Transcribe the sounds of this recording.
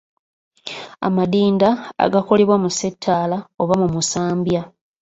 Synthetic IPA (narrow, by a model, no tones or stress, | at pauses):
a̰madiːnda̰ːɡako̞leβwamuse̞tʰːaːlaoβamumusaːmbja